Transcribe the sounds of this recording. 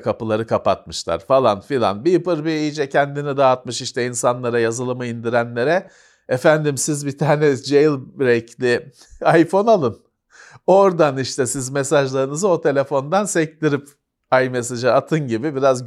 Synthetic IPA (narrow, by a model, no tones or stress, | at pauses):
kʰapɯlˠaɾɯkʰapat̪̚mɯʃlˠa̰ɾfalˠa̰nfilʲˠa̰nbipɯɾbiid͡ʒɛcʰænd̪inid̪aːt̪̚mɯʃiʃt̪ʰɛinsanlˠaɾajazɯlˠɯmɯind̪iɾænlʲe̞ɾɛ | efænd̪imsizbit̪ʰaːnɛd͡ʒejlʲˠɾɛclʲɪ | ajfo̞nalˠɯn | o̞ɾd̪aniʃt̪ʰɛsizme̞saʒlˠaɾɯnɯzɯo̞t̪ʰe̞lʲe̞fo̞nd̪ansɛcd̪iɾip | ajme̞s̬aʒaːt̪ʰɯnɟibibiɾaz